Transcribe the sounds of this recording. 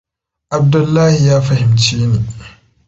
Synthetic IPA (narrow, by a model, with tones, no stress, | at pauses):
ʔa˨b̚dʊ˦lːaː˦hi˨jaː˦fɐ˦hɪ˨mt͡ʃiː˦neː˨